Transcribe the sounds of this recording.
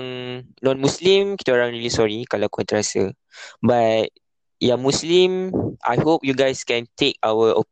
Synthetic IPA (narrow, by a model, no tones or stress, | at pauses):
ŋnɔ̃nmũslĩmki̥t̪aoɾãŋɹilisɔɹikalakuãnt̪əɾasə | bat̚ | jãmũslĩmʔa̰jhop̚juɡajskɛ̃nt̪ek̚awəʔɔ